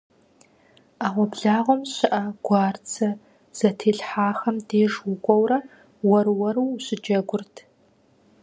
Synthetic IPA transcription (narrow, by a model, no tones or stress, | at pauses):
aːʁʷɔbɮaːʁʷɔmɕɪʔɐɡ̥ʷɑːrt͡sʰɐ | z̥ɐtʰeːɬħaːxɐmdeːʐwʊkʷʼɔwrɐ | wɐɾwɐɾuwɕɪd͡ʒɐɡʷʊrtʰ